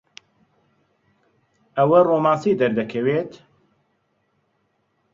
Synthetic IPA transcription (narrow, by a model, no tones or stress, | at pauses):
ʔɐwɐroːmaːnsiːd̪ɐɾd̪ɐkʰɐweːt̪